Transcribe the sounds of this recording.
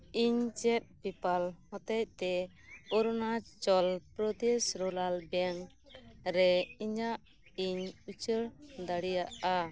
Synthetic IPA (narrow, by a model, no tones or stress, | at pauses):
iɲt͡ʃɛt̪̚pipalhɔt̪ɛc̚t̪ɛ | ɔɾnat͡ʃɔlpɾɔd̪ɛsɾɔlalbɛn | ɾɛiɲaʔ | iɲut͡ʃəɾd̪aɽijaʔa